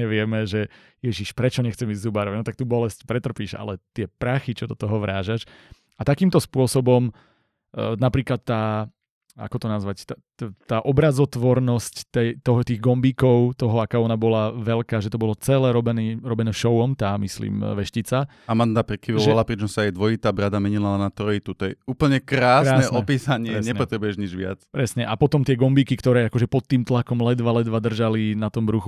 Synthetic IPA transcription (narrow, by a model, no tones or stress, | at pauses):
ɲɛʋɪɛmɛʒɛ | jɛʒiʃpɾɛt͡ʃɔɲɛxt͡sɛmiːzzubaɾɔʋaɟnɔt̪ak̚t̪uːbɔlɛscpɾɛt̪r̩piːʃa̰lɛt̪ɪɛpɾaxit͡ʃɔd̪ɔt̪ɔɦɔʋɾaːʒaʃ | at̪akiːmt̪ɔspʊɔsɔbɔm | napɾiːklat̪ːaː | a̰kɔt̪ɔnazʋact̪a | t̪aːʔɔbɾazɔt̪ʋɔɾnɔsct̪ɛt̪ɔɦɔt̪iːɣɡɔmbiːkɔʊt̪ɔɦɔakaːɔnabɔlaʋɛlkaːʒɛt̪ɔbɔlɔt͡sɛlɛːɾɔbɛniːɾɔbɛnɛːʃɔʊɔmt̪aːmislḭːmʋɛʃcit͡sa | amand̪apɾɛkiʋɔʋɛalapɾit͡ʃɔmsaajd̪ʋɔit̪aːbɾad̪amɛɲilanat̪ɾɔit̪ut̪ɔjɛuːpl̩ɲɛkɾaːskɾaːnɛʔɔpiːsaɲɪɛɲɛpɔt̪ɾɛbujɛʒɲid͡ʒʋɪa̰t͡spɾɛsɲɛʔapɔt̪ɔmt̪ɪɛɡɔmbiːkikt̪ɔɾɛːakɔʒɛpɔt̪ːiːmt̪lakɔmlɛd̪ʋalɛd̪ʋad̪r̩ʒalinat̪ɔmbɾuxu